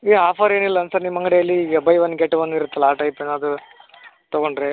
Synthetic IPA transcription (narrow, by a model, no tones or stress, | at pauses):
eaːpʰɐɾe̞ːnilːɐɐnsɐnimːɐŋɡɐɽejɐlːiɐbɐjʋɐnːɡeʈːʋɐnːiɾut̪ːɐlaːʈɐjpenːɐd̪u | t̪ɐɡoɳɖɾe